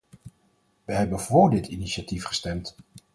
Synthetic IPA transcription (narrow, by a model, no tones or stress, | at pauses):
ʋəɦɛbənv̥ʊːɹdɪtʰiniʃatifχə̥stɛmt